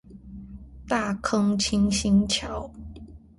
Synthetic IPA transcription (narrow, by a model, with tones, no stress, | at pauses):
t̪a˥˩kʰɤ˦ŋt͡ɕʰi˥ŋɕi˥nt͡ɕʰjɑ˨˦ʊ